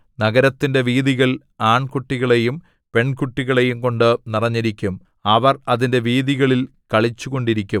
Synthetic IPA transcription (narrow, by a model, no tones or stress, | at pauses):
nɐɣɐɾɐt̪ːinde̞ʋiːðiɣɐɭ | aːɳkuʈːiɣɐɭe̞jum | pe̞ɳkuʈːiɣɐɭe̞jumko̞ɳɖɨnirɐɲːiɾikʲːum | ɐʋɐrɐðinde̞ʋiːðiɣɐɭil | kɐɭit͡ɕːuɣo̞ɳɖiɾikʲːum